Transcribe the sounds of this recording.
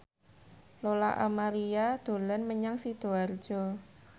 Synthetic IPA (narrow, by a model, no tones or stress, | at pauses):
lola̰ʔa̰maɾiad̪̥o̤lanməɲaŋsid̪̥oard̥ʒ̥ɔ